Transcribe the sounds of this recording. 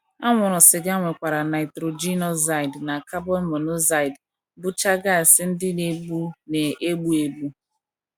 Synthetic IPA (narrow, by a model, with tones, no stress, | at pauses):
a˦ŋʷʊ˨ɾʊ˨sɪ˨ɡa˦ŋʷe˨kʷa˨ɾa˨na˨ɪ˨tɾo˨d͡ʒi˦nɔ˦za˦ɪ˨dna˨ka˦bɔ˦lmo˨nʊ˦za˦i˨d | bʊ˦t͡ʃa˦ɡa˦˨sɪ˦n̩˦dɪ˦ne˨ɡ͡bu˦ne˨e˦ɡ͡bu˦e˦ɡ͡bu˦